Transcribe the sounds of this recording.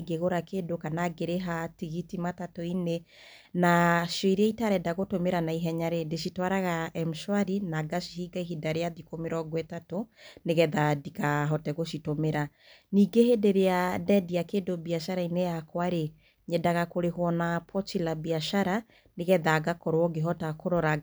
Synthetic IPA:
ɡeɣoɾakeːdokanaɡeɾeɦatiɣitimatatoine | naʃjɔiɾeɛitaɾɛdaɣotomeɾanaiɦɛɲaɾendeʃitwaɾaɣaɛm̩ʃwaɾinaɡaʃihiɡaihidaɾeaðikomeɾɔɡwɛtatoneɣɛðadikaɦɔtɛɣoʃitomeɾa | niːɡehedeɾeadɛdiakeːdobiaʃaɾainejakwaɾe | ɲɛdaɣakoɾehwɔnapʰɔt͡ʃilabiaʃaɾa | neɣɛðaɡakɔɾwɔɡeɦɔtakoɾɔɾa

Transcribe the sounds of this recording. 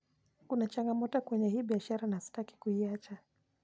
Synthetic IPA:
kunat͡ʃaŋɡamɔtɔkwɛɲɛɦiːɓiaʃaɾanasi̥taki̥kuiat͡ʃa

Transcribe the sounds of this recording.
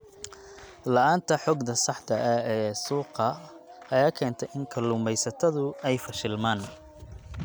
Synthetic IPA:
lɐʔaːnt̪ʰɐħɔːɡd̪ɐsɑħt̪ʰɐʔɐɛːsuːqɐ | ɐjaːkʰɛːnt̪ʰɛjʔɪŋkʰɐlʊmɛjsɐt̪ʰɐðʊɛjfɐʃɪlmaːn

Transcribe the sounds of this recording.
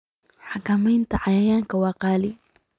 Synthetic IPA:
ħɑkʰɐmɛjnt̪ʰɐʕɑjajaːŋkʰɐwɑːqɑːlɪ

